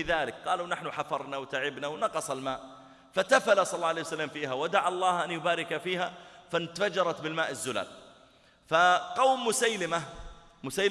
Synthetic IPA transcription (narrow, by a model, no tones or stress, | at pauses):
ɪðaːlɪkqɑːlunaħnʊħafɑɾˤnawt̪aʕɪbnawnɑqɑsˤɑlmaːʔ | fat̪afalasˤɑlˤːɑːʕlejsalːamfiːhawad̪aʕɑlˤːɑːhʔanjʊbaːɾɪkafiːɦafant̪afad͡ʒɑɾˤɑt̪bɪlmaːʔɪzːʊla̰ːl | faqɑwmːʊsajlɪma | mʊsaːl